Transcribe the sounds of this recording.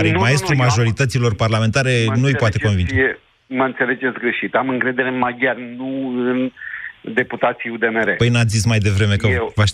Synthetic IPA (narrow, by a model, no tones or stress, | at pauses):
ɾimae̞st̪ɾumaʒo̞ɾit̪ət̪silo̞rparlame̞nt̪aɾe̞nuɨjpoat̪e̞ko̞nvint͡ʃe | məɨnt̪se̞le̞d͡ʒe̞t̪sɡɾeʃit̪amɨŋkɾe̞d̪e̞ɾemaɡjarʲnuɨnd̪e̞put̪at̪sijud̪emeɾepəjnat̪sʲzismajd̪e̞vɾe̞me̞kəevaʃ